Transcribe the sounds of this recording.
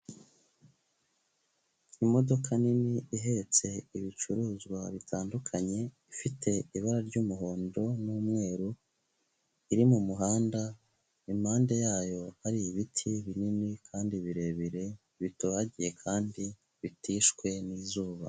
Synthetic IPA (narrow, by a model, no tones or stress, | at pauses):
imo̞do̞kʰaniniʔiɦe̞t͡se̞iβit͡ʃuɾuːzɡwaβitʰaːndukʰaɲe̞ifitʰe̞iβaɾaɾɟuːmuɦo̞ːndo̞nuːmŋe̞ːɾu | iɾimumuɦaːnda | imaːnde̞jaːjo̞haɾiiβitʰiβininikʰaːndiβiɾe̞βiɾe̞ | βitoaɟije̞kʰaːndi | βitiːʃkwe̞niːzuːβa̰